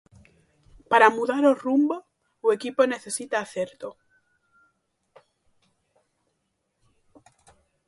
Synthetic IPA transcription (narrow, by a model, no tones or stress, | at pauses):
paɾamuðaɾorumbo | we̞kipone̞θe̞sit̪aːθeɾt̪o